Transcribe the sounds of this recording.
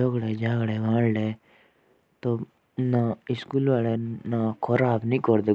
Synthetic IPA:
ɔɡɽed͡ʒaːɡɽeʋãːɽle | t̪o | naɪskuːlʋaːlenakʰɔɾaːbnĩkɔɾd̪e

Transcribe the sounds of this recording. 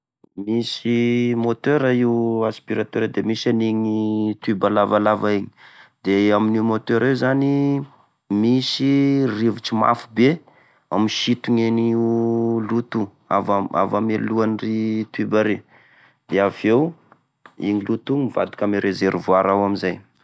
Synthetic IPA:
misimot̪øɾaiwaspiɾat̪eɾad̪emisaniɲit̪ibalavalavaiɲi̥d̪̥eaminimot̪øɾewzani | misirivut͡ʃima̰fube | amiʃit̪uɲenilut̪u | a̰vaa̰vameluanrit̪ybaɾe | d̪̥eavew | ḭŋilut̪uŋmiva̰d̪i̥kameɾezeɾuvuaɾawamizaj

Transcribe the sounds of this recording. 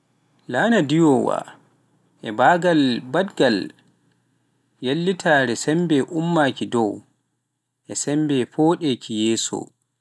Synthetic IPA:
laːnadijɔwa̰ | ʔɛbaːɡalbadɡal | jelːitʰaːɾɛsɛmbɛʔumːaːkidɔw | ʔɛsɛmbɛfɔːɗekʰijɛːsɔ̰

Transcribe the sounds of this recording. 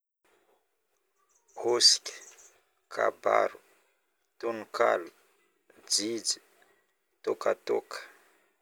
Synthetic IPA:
kosi̥kʲi̥ | kʰa̰ba̰ɾu | t̪unuka̰lu | d͡zid͡zi̥ | t̪okat̪okə̥

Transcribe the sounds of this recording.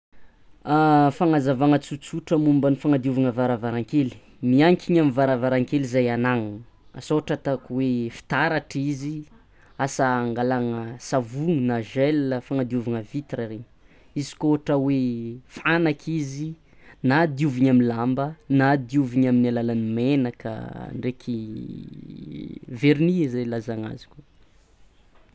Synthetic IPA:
afaŋazavaŋət͡sut͡suʈ͡ʂəmumbənifaŋad̪iuvaŋəvaɾavaɾaŋkeli̥ | miaŋkʰiɲamivaɾavaɾaŋkelizajanaŋu | a̰soʈ͡ʂət̪akuwefi̥t̪aɾaʈ͡ʂizi | asaːŋɡalaŋəsavuŋinaʒɛləfaŋad̪iuvaŋəvit̪raɾeɲ | izi̥koɦʈ͡ʂəwefanakʰizi | nad̪iuviɲaminlambənad̪iuviɲaminalalanimenakə̰ɳɖ͡ʐekʰi | veɾnizajlazaŋa̰zi̥kʲu

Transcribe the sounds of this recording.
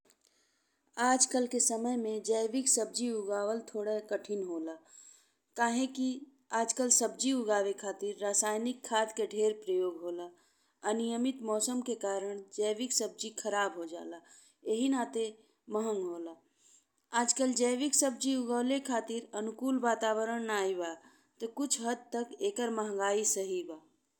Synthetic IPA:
aːd͡ʒkəlkesəməɦmẽd͡ʒəjʋɪksəb̚d͡ʒiʊɡaːwəlt̪ʰoːɽakəʈʰɪnɦoːlaː | kaːɦẽki | aːd͡ʒkəlsəb̚d͡ʒiʊɡaːʋekʰaːt̪iɾːaːsaːjnɪkʰːaːt̪keɖʱeːɾpɾəjoːɡɦoːla | ənijəmɪt̪mɔːsəmkekaːɾəɽ̃d͡ʒɛːʋiksəb̚d͡ʒikʰəɾaːbɦod͡ʒa̰ːla | eɦinaːt̪e | məɦə̃ŋɡɦoːla | aːd͡ʒkəld͡ʒɛːʋiksəb̚d͡ʒiʊɡəːlekʰaːt̪iɾənʊkuːlʋaːt̪aːʋəɾəɽ̃naːiba | t̪ɔkʊt͡ʃʰɦəd̪̚t̪əkeːkəɾməɦə̃ŋ̆ɡaːisəɦibaː

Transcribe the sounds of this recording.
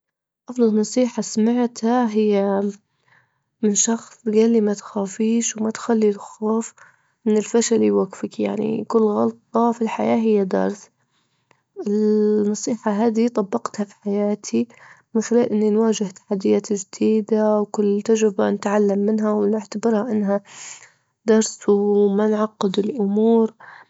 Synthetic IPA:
ʔɑfd̪ˤɑlnɑsˤiːħasmaʕt̪haɦɪjːa | mɪnʃɑxsˤɡaːlːimat̪xaːfiːʃwmat̪xalːilxoːf | mɪnɪlfaʃaliwaɡfɪkja̰ʕnḭkʊlːɣɑlt̪ˤɑfilħa̰jaːɦɪjːad̪ɑ̰ɾˤθ | ɪnːɑsˤiːħaɦaːd̪it̪ˤɑbːɑqt̪hafi̥ħajaːt̪ʰimɪnxɪlaːlʔɪnːinwaːd͡ʒɪht̪ḁħad̪ːɪjaːt̪d͡ʒd̪̥iːd̪awkʊlːt̪ːad͡ʒɾɪbanɪt̪ʕalːamːɪnɦawnɪʕt̪abɪɾhaʔɪnːɦa | d̪ɑɾˤswmanʕɑqːɨd̪ɪlʔʊmuːɾ

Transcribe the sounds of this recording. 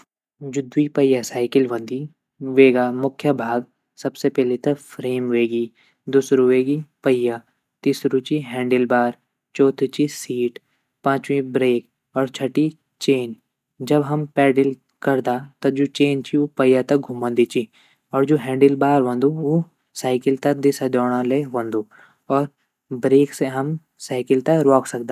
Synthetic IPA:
d͡ʒʊd̪wipɐjasaːɪkɪlʋɐ̃nd̪i | ʋeːɡaːmʊkʰːjəbʱaːɡ | sɐbsepɛːlet̪ɐfʰɾeːmʋeːɡi | d̪ʊsɾuʋeːɡipɐja | t̪iːsɾũt͡ʃiɦɛ̃ːɳɖɪlbaːɾ | t͡ʃɔːt̪ʰt͡ʃisiːʈ | pãːt͡ʃwĩbɾeːk | ɔːɾt͡ʃʰɐʈi | t͡ʃeːn | d͡ʒɐbɦɐmpɛːɖɪl | kɐɾd̪at̪ɐd͡ʒoːt͡ʃeːnt͡ʃiopɐjat̪ɐk̚ɡʱumə̃nd̪it͡ʃi | ɔːɾd͡ʒoːɦɛ̃ːɳɖɪlbaːɾʋɐ̃nd̪uo | saːɪkɪlt̪ɐk̚d̪ɪsad̪ɔːɽ̃ãleʋɐ̃nd̪uː | ɔːɾ | bɾeːkseɦɐm | saːɪkɪlt̪ɐɾɔːksɐk̚d̪aː

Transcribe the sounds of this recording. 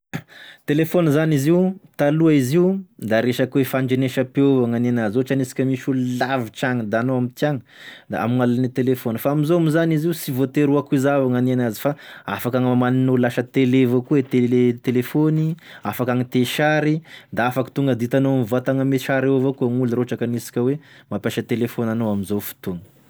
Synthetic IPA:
t̪elefonizaniziut̪aluaiziud̪aɾeʃakwefaɳd͡ʒeneʃapeovaŋanenazot͡ʃanisi̥kʲəmiʃullavit͡ʃaŋəd̪anoamit̪jaŋəd̪a̰a̰malanit̪elefonifaamizoamizaniziusivot̪eɾuakuizavaŋanenazi̥faa̰fakaŋmaninolaʃət̪elevokuet̪elet̪elefoni | afakaŋit̪eʃaɾid̪aafaki̥t̪uŋɡəd̪it̪anomivat̪aŋəmeʃaɾeovokuaŋulɾoʈ͡ʂakanisi̥kʲəwemapʲjaʃət̪elefonanowamizowfu̥t̪uŋə̥

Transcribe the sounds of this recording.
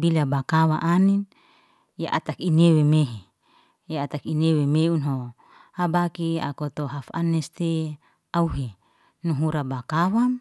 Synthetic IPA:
bilabakawa̰ʔanin | jaʔa̰t̪akinewemeɦe | jaat̪akinewemeunɦo | habakia̰kot̪oɦafa̰nest̪e | auɦe | nuɦuɾabakawam

